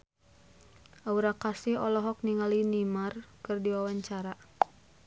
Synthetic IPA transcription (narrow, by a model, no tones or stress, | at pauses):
ʔauɾakasihɔlɔɦɔk̚niŋalinimarkɨrdiwawaɲt͡ʃaɾa